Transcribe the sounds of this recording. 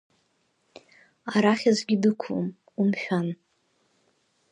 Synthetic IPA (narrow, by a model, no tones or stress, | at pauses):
aɾaχʲazɡʲɪdɨkʷʰṵm | umʃᶣan